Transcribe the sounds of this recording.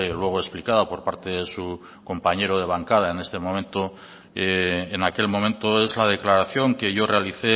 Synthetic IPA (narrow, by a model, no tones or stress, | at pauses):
lwe̞ɣ̞oesplikaðapo̞ɾpaɾt̪e̞ðesu | ko̞mpaɲe̞ɾoð̞e̞β̞aŋkað̞ae̞ne̞st̪e̞mõ̞mẽnt̪o | eːnake̞lmõ̞mẽnt̪oe̞zlað̞e̞klaɾaθjo̞ŋke̞ʝo̞re̞aliθe̞